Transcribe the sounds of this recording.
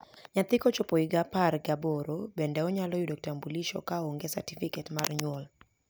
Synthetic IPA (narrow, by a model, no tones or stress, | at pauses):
ɲat̪ɪkɔt͡ʃopoiɡaparɡaboɾobɛndɛɔɲalɔjudok̚tambuliʃɔ̰kaoŋɡesa̰tifiketmarɲwɔl